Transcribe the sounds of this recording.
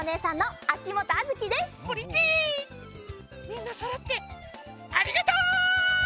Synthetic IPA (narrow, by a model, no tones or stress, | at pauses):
one̞ːsãnːo̞akʲimo̞t̪oazɨkʲid̪e̞spoɾʲit̪i | mʲĩnːasoɾot̪ːe | aɾʲiɡat̪oː